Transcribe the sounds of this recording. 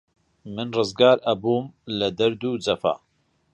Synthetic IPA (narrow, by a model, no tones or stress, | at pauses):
mɨnrɨzɡaːɾɐbuːmlɐd̪ɐɾd̪uːd͡zɐfa̰ː